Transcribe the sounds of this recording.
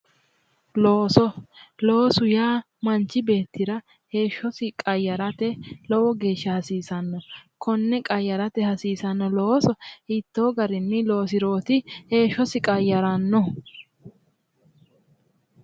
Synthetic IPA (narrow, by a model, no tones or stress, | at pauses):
loːsɔlo̞ːsʊjaː | mɐnt͡ʃːɪbe̞ːt̪ːɪɾɐ | he̞ːʃːɔsɪkʼɐjːɐɾɐt̪ɛlɔwɔɡe̞ːʃːɐhɐsiːsɐnːɔkɔnːɛkʼɐjːɐɾɐt̪ɛhɐsiːsɐnːɔloːsɔhɪt̪ːo̞ːɡɐɾɪnːɪlo̞ːs̬ɪɾo̞ːt̪ɪhe̞ːʃːɔsɪkʼɐjːɐɾɐnːɔ